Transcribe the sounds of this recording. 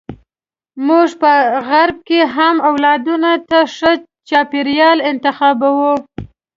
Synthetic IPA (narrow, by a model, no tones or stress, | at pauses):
muʐpəɣaɾb̚keɦamawlɑd̪unat̪aʂə | t͡ʃɑpeɾjɑlɪnt̪ɪxɑbawu